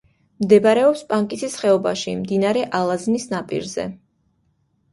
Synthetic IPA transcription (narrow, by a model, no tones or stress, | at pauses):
md̪ɛbaɾɛɔpspʼaŋkʼisisχɛɔba̰ʃimd̪inaɾɛʔalˠaznisnapʼḭɾzɛ̰